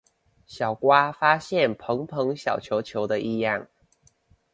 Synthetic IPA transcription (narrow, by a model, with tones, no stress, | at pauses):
ɕjɑ˨˩ʊkwa˦fa˥ɕjɛ˥˨npʰɤ˧˦˥ŋpʰɤ˧˦˥ŋɕjɑ˨˩ʊt͡ɕʰjo˧˥ʊt͡ɕʰjo˧˥ʊd̪ə˧ʔi˥˧jɑ˥˩ŋ